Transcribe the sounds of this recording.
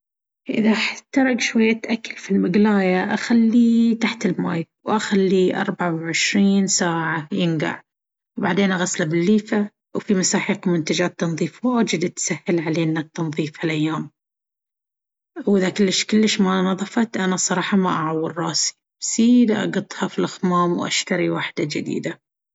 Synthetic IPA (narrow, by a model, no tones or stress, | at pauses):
ʔɪðaħt̪ɑɾˤɑɡʃwajːat̪ʔakːalfilmɪɡlaːjaʔaxalːit̪aħt̪ɪlmaːjwʔaxalːiʔɑ̰ɾˤbaʕawʕɪʃɾiːnsaːʕajɪnɡa̰ʕ | wbaʕd̪eːnʔaɣaslabɪlːiːfa | wfimasaːħiːqmʊnt̪ad͡ʒaːt̪ːɑnðˤiːfwaːd͡ʒɪd̪at̪sahːɪlʕaleːnːat̪ːɑnðˤiːfhalʔajːaːm | wʔɪðakɪlːɪʃkʊlːɪʃmanɑðˤɑfɑt̪ʔanasˤɑɾˤɑːħɑmaʔaʕawːɪɾɾˤɑːsi̥ | bsiːd̪ʔɑ̰ɡɑt̪ˤhɑfilʔaxmaːmwʔa̰ʃt̪aɾiwaħd̪̥ad͡ʒɪd̪ḭːd̪a